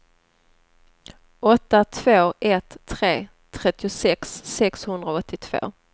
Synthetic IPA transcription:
ɔt̪ːat̪ʰv̥oːʔɛt̪ʰːɾeː | t̪ʰːɾɛt̪ːɪʊsɛksːɛkshɵnd̪ɾaɔt̪ʰːɪt̪ʰv̥o̰ː

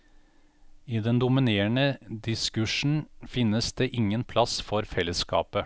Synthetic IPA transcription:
iːd̪ɛnd̪ʊmɪneːəɳəd̪ɪskʉʂn̩fɪnːəsd̪eːʔɪŋːənpʰlɑsfɔɾfɛlːəskɑ̰ːpə

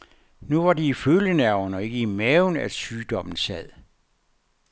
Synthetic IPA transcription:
nuʋɑ̈diiføljənæɐʊnɒ̽e̝ɡ̥əimɛːʊnæ̥syːd̥ɒ̽m̰n̩sɛð̰ˠ

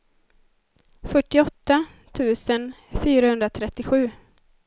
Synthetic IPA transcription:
fœʈːɪɔt̪ːa | t̪ʰʉ̟ːsən | fyːɾahɵnd̪ɾat̪ʰɾɛt̪ːɪɧʉ̟ː

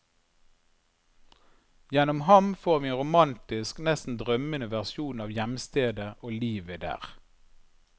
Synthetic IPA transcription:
jɛnʊmhɑmfoːʁʋiːeːnʁʊmɑnt̪ɪsknɛst̪n̩d̪ʁœmənəʋæʁsjuːnɑːʋjɛmst̪eːd̪əʔoːliːʋəd̪æ̰ːʁ

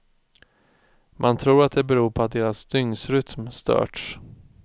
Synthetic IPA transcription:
mʔant̪ʰɾuːɾat̪̚d̪ɛbɛɾuːɾpʰɔat̪̚d̪eːɾasd̪ʏŋsɾʏt̪mst̪œ̰ːʈʂ

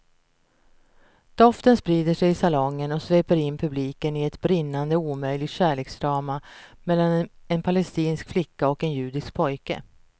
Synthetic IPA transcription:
d̪̥ɔft̪ənspɾiːd̪əʂɛjɪsalɔŋːənɔsveːpəɾɪnːpʰɵbliːkənɪɛt̪bɾɪnːand̪əuːmœjlɪɡt̪ɕæːɭeːksd̪ɾɑːmamɛlːanɛnpʰalɛst̪iːnskflɪkːaɔkɛnjʉ̟ːd̪ɪsk̚pʰɔjkə̰

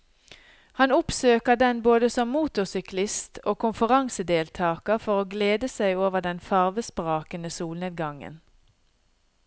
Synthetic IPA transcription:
hɑnʊpsøːkəʁd̪ɛnboːd̪əsɔmːuːt̪ʊsʏklɪst̪ʰoːkʰʊnfʉʁɑŋsəd̪eːlt̪ʰɑːkəfɔʁoːɡleːd̪əsæɪoːʋəʁd̪ɛnfɑʁʋəspʁɑːkənəsuːlneːd̪̚ɡɑŋə̰n

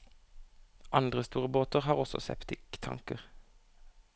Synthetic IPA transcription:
ʔɑnd̪ʁəst̪uːʁəboːt̪əʁhɑːʁɔsɔ̰sɛ̰pt̪ɪkt̪ʰɑ̰ŋkəʁ

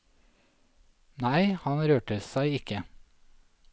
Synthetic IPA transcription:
næɪhɑnɾøːʈəsæɪɪkə

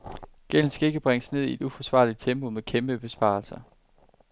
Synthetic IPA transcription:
ɡ̥el̰n̩sɡ̥æe̝ɡ̥əb̥ʁeŋəsne̝ð̞̰ˠie̝d̥ufɒ̽sʋɑ̈ːlid̥̚t͡sʰemb̥o̝mekʰemb̥əb̥e̝sb̥ɑ̈ːlsɐ

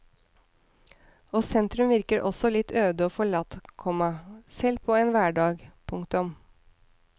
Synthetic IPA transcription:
oːsɛnt̪ɾʉmʋɪɾkəɾʔɔsɔlɪt̪ʰːøːd̪əoːfɔɭɑt̪kʰɔmɑsɛlpʰoːeːnʋæːɖɑːɡpʰʊŋkt̪ʊm

